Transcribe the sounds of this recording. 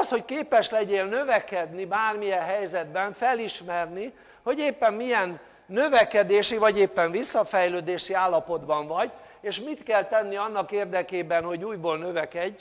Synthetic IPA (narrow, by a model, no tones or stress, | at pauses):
sho̞ckeːpɛʃlɛɟeːnnøvɛkɛd̪nibaːrmijɛɦɛjzɛd̪bɛɱfɛliʃmɛrni | ho̞ɟeːpːɛmːijɛnː | ø̞vɛkɛd̪eːʃivɒɟeːpːɛɱvisːɒfɛjløːd̪eːʃiaːlːɒpo̞d̪bɒɱvɒɟ | eːʃmit̪kɛlt̪ɛnːiɒnːɒkeːrd̪ɛkeːbɛnho̞ɟuːjboːlnø̞vɛkɛɟː